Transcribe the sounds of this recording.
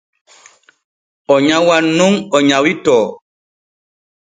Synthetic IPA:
ɔɲawanuŋɔɲawitɔː

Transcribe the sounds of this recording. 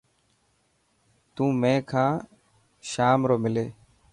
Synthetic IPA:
t̪ũːmẽːkʰãː | ʃaːmɾoːmɪleː

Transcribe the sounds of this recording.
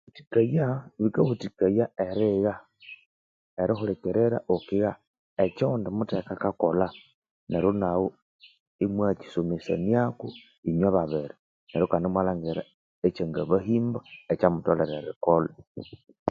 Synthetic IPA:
βuti̥kajaβikaβutikajaeɾiɣa | eɾixuɾekeɾeɾa̰ʔokiɣa | et͡ʃondimutekakakola | neɾonaɣo | imwat͡ʃi̥somisa̰niaku | iɲaβaβeɾi | neɾokaːndimwalaŋɡeɾa | et͡ʃeŋɡaβaɦiːmbaet͡ʃamutoleɾeɾḭkolo

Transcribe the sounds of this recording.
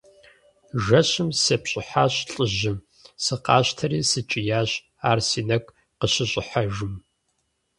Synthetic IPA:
ʒɐɕɪmsɐpɕʼɪħaːɕɬʼɨʑɪm | sɨqɑ̰ːɕtʰɐɾiːsɨt͡ʃʼɪjaːɕ | aːrsiːnɐɡʷʼ | qəɕɪɕʼɪħaʒʊm

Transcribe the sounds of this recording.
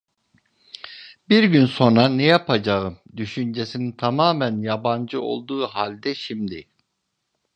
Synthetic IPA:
biɾɟynso̞nɾanɛjapʰad͡ʒaɯmd̪yʃynd͡ʒesinint̪ʰamaːmænjaband͡ʒɯo̞̰lˠd̪uːɦalʲd̪ɛʃimd̪i

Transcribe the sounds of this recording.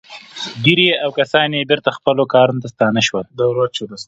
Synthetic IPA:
d̪iɾeawkasɑnjebɪɾt̪axpəlokɑɾunat̪ast̪ɑnaʃwəld̪awɾat͡ʃod̪as

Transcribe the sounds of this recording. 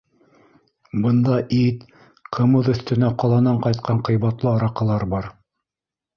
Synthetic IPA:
bɤ̆nd̪ɑʔit̪ | qʰɤ̆mɤðɵ̆θt̪ɘ̆næqɑlˠɑnɑɴqɑjt̪̚qɑɴqɤ̆jβɑt̪lˠɤɑɾɑqɤ̆lˠɑɾbɑɾ

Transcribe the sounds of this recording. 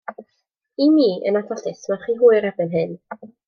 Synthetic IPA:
imiːʔə̰natʰɔɬɪθmaχiːɦuːɨɾɛbɪnɦɨn

